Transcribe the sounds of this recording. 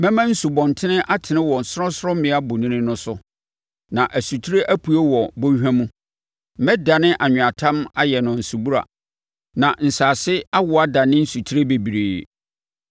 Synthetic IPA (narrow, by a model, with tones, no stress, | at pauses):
mɛ̃˦mã˦n̩˦su˨bɔ̃˨n˨tʰɪ˦nɪ̃˦ʔa˦tʰɪ˨nɪ̃˦wɔ˨n̩˨sɾɔ̃˦sɾɔ˦mɪ̃˨˦a˦bʊ˨nĩ˦nɪ̃˦nʊ̃˦sʊ˦ | nã˨ʔæ˨su˨tʰɾe˦ʔæ˦pʰu˨e˦wɔ˨bõ˦hᶣã˦mũ˦ | mɛ̃˦da˨nɪ̃˦ʔa˨ɲᶣʊ̃˨a˨tʰã˦ma˦jɛ˨nʊ̃˨n̩˨su˨bu˦ɾa̰˨ | nã˨n̩˨saː˨sɪ˦a˦wʊ˨a˦da˨nɪ̃˦n̩˦su˨tʰi˦ɾe˦be˨bi˨ɾeː˨